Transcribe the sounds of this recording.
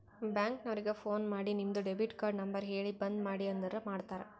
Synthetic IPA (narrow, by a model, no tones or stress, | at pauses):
baːŋknɐʋɐɾɪɡɐfoːnmaːɽinɪmd̪ɯɖɛbiʈkaːɾɖnɐmbɐɾɦeːɭibɐnd̪maːɽiɐnd̪ɐɾɐmaːɽɯt̪ːaːɾɐ̰